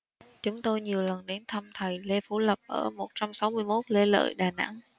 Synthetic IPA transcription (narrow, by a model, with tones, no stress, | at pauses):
t͡ɕʊ˨˦ŋ͡mt̪o˧jɲi˨˩əwlə˨˩nɗe˨˦nt̪ʰə˧mt̪ʰə˨˩jle˧fu˧˩lə˨˩p̚ʔəː˧˩mo˨˩t̚t͡ɕa˧msa˨˦wmɨ˧əjmo˦˥t̚le˧lə̰ː˧˨jɗaː˨˩na̰˧˥ŋ